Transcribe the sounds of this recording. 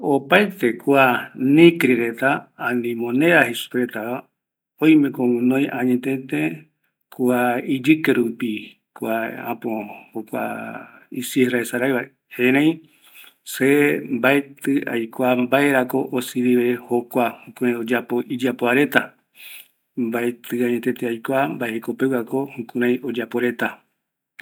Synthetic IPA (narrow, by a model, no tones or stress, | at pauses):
opaet̪e̞kuanĩkɾiɾe̞t̪aːnĩmõnẽ̞ɾahesu̥peɾe̞t̪aa | õj̃mẽkomũnõjʔãɲet̪̬ẽt̪e | kʰuaid͡ʒɨkeɾupi | kʷaã̰põhokʷa̰isiraesaɾajβae | hẽɾẽj̃ | sembaet̪ɨʔa̰jkʷambae̞ɾako̞ʔosɨβiβeho̞kʷahũkũɾãj̃od͡ʒapo̞ʔid͡ʒapoaɾe̞t̪a | mbaet̪ɨãɲẽ̞t̪ẽ̞t̪eajkʷambaeekope̞wako̞hũkũɾãj̃o̞d͡ʒapo̞ɾe̞t̪a